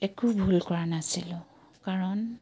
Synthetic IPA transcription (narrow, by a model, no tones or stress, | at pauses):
ekubʱulkɔɹanasilʊ̃ | kaɹɔn